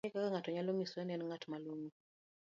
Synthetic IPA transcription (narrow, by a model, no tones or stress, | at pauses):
ɛkakaŋatɔɲalomiswɛnɛnŋatmaloŋu